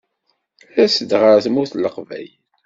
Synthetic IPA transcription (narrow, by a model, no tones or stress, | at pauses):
æsəd̪ʁəɾθəmʊθlːəqvæ̰j